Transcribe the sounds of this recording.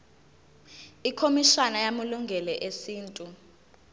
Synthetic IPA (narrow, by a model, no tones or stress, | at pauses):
ikʰomiʃanajamuluŋɡʱɛlɛʔesiːntʼu